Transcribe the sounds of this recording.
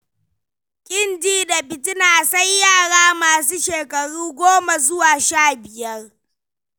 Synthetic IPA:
kʲʼɪ˦ndiː˦da˨bɪ˨tɪ˦naː˨sɐ˦jːaː˦˨ɽaː˦maː˨s̬uː˦ʃeː˨kɐ˨ɽuː˦ɡʷoː˦ma˨zʊ˦waː˨ʃaː˦˨bɪ˨jɐ˦r

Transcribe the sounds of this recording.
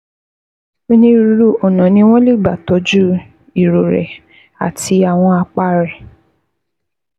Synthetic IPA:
o˦nĩ˦˧ɾu˧ɾu˦˨ɔ˨nɔ̃˨nĩ˧˦w̃ɔ̃˦li˦˨ɡ͡ba˨tɔ˨˦d͡ʒu˦ | i˨ɾo˨ɾɛ̰˨ | a̰˨tʰi˧a˨w̃ɔ̃˧a˧k͡pa˦ɾɛ˨

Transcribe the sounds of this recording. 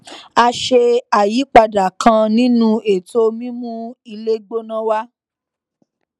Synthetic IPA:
a˧ʃe˧a˨ji˨˦k͡pa˧da˨kʰã˧nĩ˦nũ˦e˨to˦mĩ˦mũ˦i˧le˦ɡ͡bo˦nã˦wa˦

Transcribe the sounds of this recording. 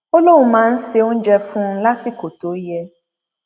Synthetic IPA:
o˦lo˦wũ˧mãː˨˦n̩˦se˧o˦n̩˦d͡ʒɛ˧fũ˦n̩˦la˦si˦ko˨to˨˦jɛ˧

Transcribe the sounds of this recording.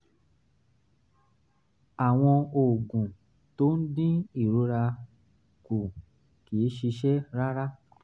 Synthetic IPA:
a˨w̃ɔ̃˧o˨ɡũ˨ | to˦n̩˦dĩ˦i˦˨ɾo˨˦ɾa˧ | ku˨ | ki˨˦ʃi˧ʃɛ˦ɾa˦ɾa˦

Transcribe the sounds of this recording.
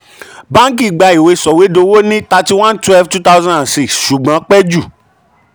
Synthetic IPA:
bã˦ŋ˦k̬i˦˨ɡ͡ba˧i˨we˧˦sɔ˨we˨˦do˧wo˦nĩ˦ta˧ti˦w̃ã˦n˦twɛ˦lftu˦ta˦zã˦ã˨si˦˧ksʃu˨ɡ͡bã˨˦k͡pɛ˦d͡ʒu˦˨

